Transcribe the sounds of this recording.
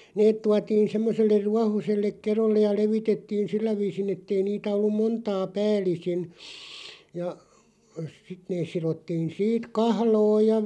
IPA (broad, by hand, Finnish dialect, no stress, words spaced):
neːt tuɑtiːn̞ semːoselːer̆ ruɑhoselːek̆ kerolːej jɑ leʋitetːiːn silːæ ʋiːsin etːei niːtæ olːum montɑː pæːlˑisin jɑ sit neːs sirotːiːn siːt kɑhloːj jɑ